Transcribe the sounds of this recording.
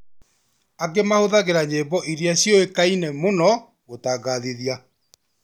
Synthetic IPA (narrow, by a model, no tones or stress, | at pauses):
aɡemahoðaɣeɾaɲeːbɔʔiɾjaɕjɔekainemonɔ | ɣotaːɡaðeðja